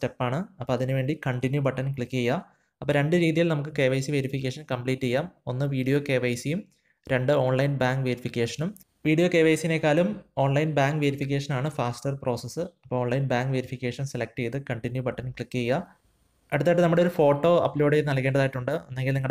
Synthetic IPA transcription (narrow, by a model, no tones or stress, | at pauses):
tepːaːɳɨɐpːoːɐðinɨʋe̞ːɳɖikɐɳʈinjubɐʈːɐnkɭikːɨejːa | ɐpːoːɾe̞ɳɖɨɾiːðijilnɐmuk̬ːɨke̞ːʋɐjsiʋeɾifik̬ʲːe̞ːʂɐnkɐmpliːʈːejːaːmo̞nːɨʋiːɽijo̞ːke̞ːʋɐjsijum | ɾe̞ɳɖɨo̞ːɳlɐjnbaːŋɡʋeɾifikʲːeːʂɐnum | ʋiːɽijo̞ːke̞ːʋɐjsijinekːaːlumo̞ːɳlɐjnbaːŋɡʋeɾifik̬ʲːe̞ːʂɐnaːɳɨfaːsʈɐrpro̞ːsesːɨɐpːoːoːɳlɐjnbaːŋɡʋeɾifikʲːeːʂɐnselek̚ʈejt̪ɨkɐɳʈinjubɐʈːɐnkɭikːejːa | ɐɽut̪ːaːjiʈːɨnɐmːuɽeoɾufo̞ːʈːo̞ːɐ̰pːlo̞ːɽenɐlkːeːɳɖɐðaːjiʈːuɳɖɨenːeŋɡilniŋːɐɽ